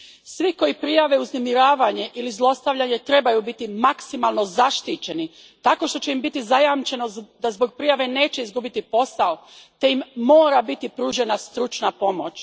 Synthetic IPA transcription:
sʋiko̞jipɾijaʋe̞uznemiɾaːʋaɲe̞ʔilizlˠo̞st̪aʋʎaɲe̞t̪ɾe̞bajubit̪imaksimalˠno̞zaʃt̪it͡ɕe̞ni | t̪ako̞ʃt̪o̞t͡ɕe̞imbit̪izajamt͡ʃe̞no̞d̪azbo̞ɡ̚pɾijaʋe̞ne̞ːt͡ɕe̞izɡubit̪ipo̞sao̞ | t̪e̞immo̞ːɾabit̪ipɾuːʒe̞nast̪ɾut͡ʃnapo̞mo̞t͡ɕ

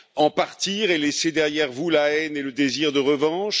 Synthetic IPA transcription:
ɑ̃paʁt̪iːʁelɛsed̪ɛʁjɛʁvulaɛneləd̪eziʁd̪əʁəvɑ̃ʃ

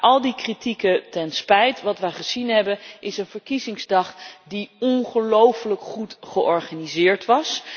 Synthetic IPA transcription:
ʔɑlˠdikritikətɛnspɛjtʋɑtʋəjχəzinɦɛbənʔɪsənvəɹkizɪŋzdɑχdiɔnχəlowfələkχutχəʔɔɹχanizɪːɹtʋɑs

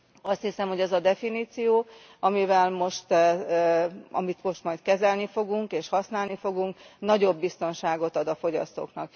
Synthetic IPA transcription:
ɒst̪hisɛmho̞ɟɛzɒd̪ɛfiniːt̪sijoː | ɒmivɛlmo̞ʃt̪ | ɒ̰mit̪mo̞ʃt̪mɒjt̪kɛzɛlnifo̞ɡuŋkeːʃhɒsnaːlnifo̞ɡuŋknɒɟo̞bːist̪o̞nʃaːɡo̞t̪ɒd̪ɒfo̞ɟɒ̰st̪o̰ːknɒk̚

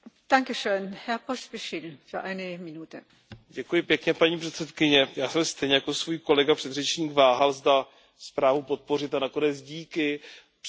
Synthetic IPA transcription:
d̥aŋkəʃøːnhɛɐpʁɔsb̥ɪʃɪlfyːɐʔaɪnəminuːtə | ɟɛkujɪpjɛkɲɛpaɲiːpr̥ɛt̪sɛt̪kɪɲɛjaːsɛmst̪ɛjɲɛjako̞svuːjko̞lɛɡapr̥ɛd̪rɛt͡ʃɲiːɡvaːɦalzda | spɾaːvupo̞t̪̚po̞rɪt̪anako̞nɛt͡sɟiːkɪ

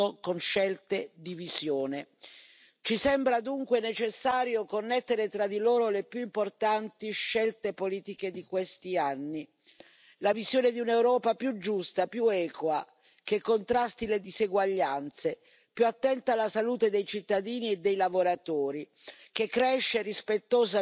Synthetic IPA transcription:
okonʃɛlt̪ed̪ivizjoːne | t͡ʃisɛmbɾad̪uŋkwenet͡ʃesːaːɾjokonːɛt̪ːeɾet̪ɾad̪iloːɾolepjuimport̪ant̪iʃːɛlt̪epoliːt̪iked̪ikwest̪ianːi | lavizjoːned̪iunewɾɔːpapjud͡ʒːust̪apjuɛːkwa | kekːont̪ɾast̪iled̪izeɡwaʎːant̪se | pjuat̪ːɛnt̪aːlːasaluːt̪ed̪ejt͡ʃit̪ːad̪iːnied̪ːejlavoɾat̪oːɾi | k̟ekːɾɛʃːerispet̪ːoːza

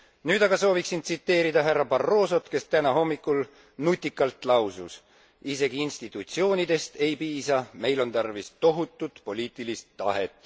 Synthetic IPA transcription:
nyːd̪ɑɡ̥ɑso̞ːviksint̪sit̪ːe̞ːɾid̪ɑɦærːɑbɑrːo̞ːso̞t̪ke̞st̪ænɑɦo̞mːikːˑul | nut̪ʲːˑikːˑɑlt̪ˑlɑwsus | ise̞ɡiinst̪it̪ːˑut̪sio̞ːnid̪e̞st̪e̞jpiːsɑme̞jlo̞nt̪ɑrvist̪o̞ɦut̪ːˑud̪̥po̞lʲiːt̪ˑilist̪ːɑ̰ɦe̞t̪ːˑ

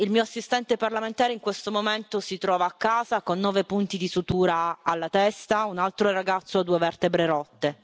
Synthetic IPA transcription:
ilmiːoasːist̪ɛnt̪eparlament̪aːɾeiŋkwest̪omoment̪osit̪ɾɔːvaːkːaːzakonːɔːvepunt̪id̪isut̪uːɾaalːat̪ɛst̪aunalt̪ɾoɛrːaɡat̪sːoad̪uːevɛrt̪ebɾeɾɔt̪ːe

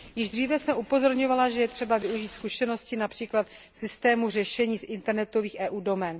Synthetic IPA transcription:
jɪʒd̪r̝iːvɛsɛmʔupo̞zo̞ɾɲo̞valaʒɛjɛt̪r̝̥ɛbavɪuʒiːt̪skuʃɛno̞scɪnapr̥iːklat̪ | sɪst̪ɛːmur̝ɛʃɛɲiːsʔɪnt̪ɛɾnɛt̪o̞viːxʔɛːʔuːdo̞mɛn

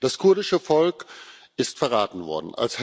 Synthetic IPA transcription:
d̥askʰʊɐdɪʃəfɔlk | ɪstfɛɐʁaːtn̩vɔ̰ɐdn̩a̰lsh

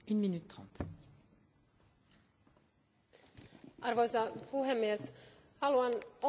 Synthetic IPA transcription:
ynminyt̪ːχɑ̃t̪ | ʔɑrʋo̞jsɑpuɦemːies | hɑluɑno

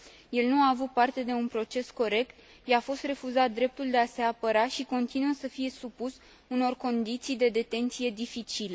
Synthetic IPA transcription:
je̞lnuaːvut̪̚part̪e̞d̪e̞unpɾo̞t͡ʃe̞sko̞ɾe̞kt̪ | jafo̞st̪re̞fuzat̪̚d̪ɾe̞p̚t̪uld̪e̞ase̞apəɾaʃiko̞nt̪inuəsəfije̞supus | uno̞rko̞nd̪it̪sijd̪e̞d̪e̞t̪e̞nt̪sije̞d̪ifit͡ʃile

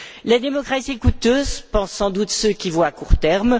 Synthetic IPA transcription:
lad̪emɔkχasiɛkut̪øːzpɑ̃sːɑ̃d̪ut̪søkʲivwaːkuʁt̪ɛʁm

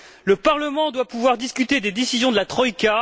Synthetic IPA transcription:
ləpaʁləmɑ̃d̪wapuvwaʁd̪iskʲyt̪ed̪ed̪esizjɔ̃d̪əlat̪χɔika

